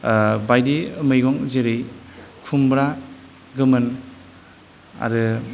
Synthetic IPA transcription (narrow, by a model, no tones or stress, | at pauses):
bajdiɯmɯjɡɔŋzeɾɯjkʰumbɾa | ɡɯmɯn | a̰ɾɯ